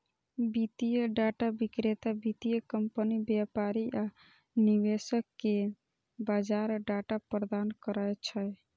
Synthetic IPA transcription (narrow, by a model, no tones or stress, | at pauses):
bit̪ijəɖaʈabikɾet̪abit̪ijəkəmpənibjapaɾiʔa | niβesəkːe | bad͡ʒaɾɖaʈapɾəd̪ankəɾəjt͡ʃʰəj